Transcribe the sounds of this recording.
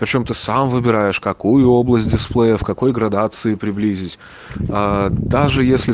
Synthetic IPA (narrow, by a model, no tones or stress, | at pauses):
pɾʲɪt͡ɕo̞mt̪ɨsamvɨbʲɪɾajɪʂkɐkujʊo̞blˠəsʲt̚ʲdʲɪsplˠejəfkɐko̞jɡɾɐd̪at̪sɨɪpɾʲɪblʲizʲɪtʲ | ad̪aʐɨjesʲlʲɪ